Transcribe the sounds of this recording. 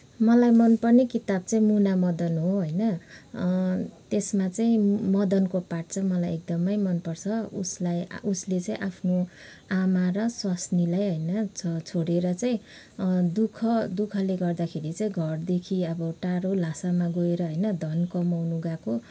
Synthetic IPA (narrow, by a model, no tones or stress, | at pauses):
mʌlajmʌnpʌrnekit̪ab̚t͡saĩmunamʌd̪ʌnɦoɦʌjnʌ | t̪esmat͡saĩmʌd̪ʌnkopaʈ̚t͡sʰʌmʌlajek̚d̪ʌmʌjmʌnpʌrt͡sʰʌṵslajuslet͡saĩʔapʰno | amaɾʌswasnilajɦʌjnʌt͡sʰʌt͡sʰoɽeɾʌt͡saĩ | d̪ukʰʌd̪ukʰʌleɡʌrd̪akʰeɾit͡saĩɡʱʌrd̪ekʰiʌbʌʈaɾolasamaɡoeɾʌɦʌjnʌd̪ʱʌnkʌmawnuɡako